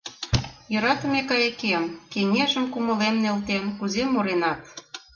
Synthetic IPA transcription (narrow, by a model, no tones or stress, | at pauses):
jə̆ɾɑt̪ə̆mekɑjekemkeŋeʒəmkumə̆lemnelt̪enkuzemoɾenɑt̪̚